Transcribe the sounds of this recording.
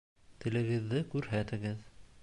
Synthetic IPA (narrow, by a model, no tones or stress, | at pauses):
t̪ɘ̆lɘ̆ɡɘ̆ðːɘkʉɾɦæt̪ɘ̆ɡɘð